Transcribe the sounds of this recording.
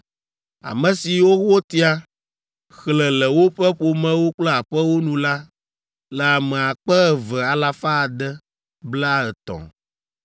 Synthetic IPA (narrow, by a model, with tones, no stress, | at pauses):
a̰˨mɛ̃˨si˨wo˦ɣo˦t̪i˦a˦ | xlɛ˨lɛ˨wo˦ɸɛ˦ɸo˨mɛ̃˦wo˦k͡plɛ˦a˨ɸɛ˦wo˦nũ˨la˦ | lɛ˨a˨mɛ̃˨a˨k͡pɛ˦ɛ˨vɛ˨a˨la˨fa˦˨d̪ɛ˦ | bla˦ɛ˨t̪ɔ̰̃˨